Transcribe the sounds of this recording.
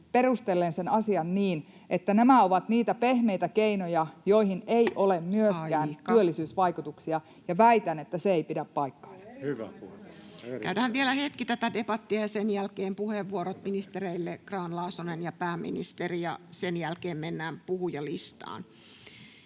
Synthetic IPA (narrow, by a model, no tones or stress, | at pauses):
perust̪elːensenɑsiɑnniːn | ʔet̪ːænæmæoʋɑt̪niːt̪æpehmeit̪ækeinojɑjoihineiʔolemmyøskæːntyølːisyːsʋɑikut̪uksiɑ | jɑʋæit̪ænet̪ːæseeipidæppɑikːɑ̥ːnsɑ̥ | kæydæhæʋʋielæhet̪kit̪æt̪ædebɑt̪ːiɑjɑsenjælkeːmpuheʋːuoɾot̪minist̪ereilːekrɑːnlɑːsonenjɑpæːmːḭnḭst̪erijɑ̰senjælkeːmmenːæːmpuhujɑlist̪ɑ̰ːn